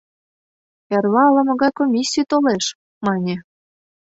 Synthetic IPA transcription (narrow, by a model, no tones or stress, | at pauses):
jɑrlɑlɤ̆mŏɣɑjkomʲisʲːijt̪oleʃ | mɑnʲĕ